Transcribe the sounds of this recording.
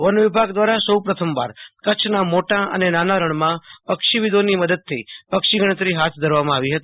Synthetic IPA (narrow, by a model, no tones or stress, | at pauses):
ʋənʋɪbʱaɡd̪ʋaɾasəwpɾət̪ʰəmʋa̰ɾkət͡ʃʰnamoʈãə̰nenanaɾəɳ̃mãpəkʃiʋid̪oniməd̪əd̪̚t̪ʰːəipəkʃiɡəɽət̪ɾiɦat̪ʰd̪ʱəɾʋamãaʋiɦət̪i